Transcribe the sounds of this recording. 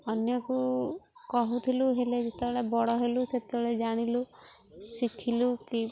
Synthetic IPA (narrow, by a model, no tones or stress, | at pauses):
ɔnjɔkukɔɦut̪ʰiluɦeled͡ʒet̪ebeɭebɔɽɔɦeluset̪eɭed͡ʒaɽ̃ilu | sikʰiluki